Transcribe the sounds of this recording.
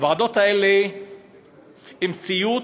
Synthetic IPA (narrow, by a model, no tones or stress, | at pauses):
vaːd̪ot̪aele | imsiju